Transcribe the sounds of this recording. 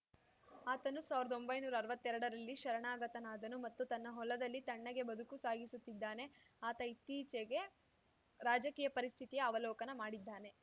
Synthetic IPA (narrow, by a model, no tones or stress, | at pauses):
aːt̪ɐnusaːʋiɾɐd̪o̞mbɐjnuːɾaːɾʋɐt̪ːɛɾɐɽɐɾɐlːiʃɐɾɐɳaːɡɐt̪ɐnaːd̪ɐnumɐt̪ːut̪ɐnːɐɦɔlɐd̪ɐlːit̪ɐɳːɐɡe̞bɐd̪ukusaːɡisut̪ːid̪ːaːne̞ | aːt̪ɐit̪iːt͡ʃeɡe̞ | ɾaːd͡ʒɐkiːjɐpɐɾist̪ʰit̪ijɐɐʋɐlɔːkɐnɐmaːɽid̪ːaːne̞